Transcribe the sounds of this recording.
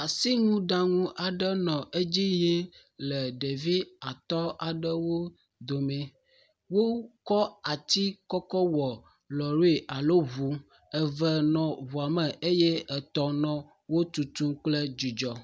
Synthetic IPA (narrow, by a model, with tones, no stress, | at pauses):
a˨si˦ŋũ˦ɖa˦ŋũ˦ʔa˨ɖə˦nɔ̃˨ʔe˦d͡ʑi˦je˦ | lɛ˨ɖe˨vi˦a˨t̪ɔ˦a˨ɖə˦wo˦ | d̪o˨mɛ̃˨ | wo˦kɔ˦a˨t̪i˦kɔ˦kɔ˦wɔ˨ | lɔ˨ɾo˦e˨ʔa˨lo˦βu˨ | ɛ˨vɛ˨nɔ̃˨βu˨a˨mɛ˨ʔe˦jɛ˦ɛ˨t̪ɔ˦nɔ̃˦ | wo˦t̪u˨t̪ũ˦k͡plɛ˦d͡ʒi˨d͡ʒɔ˨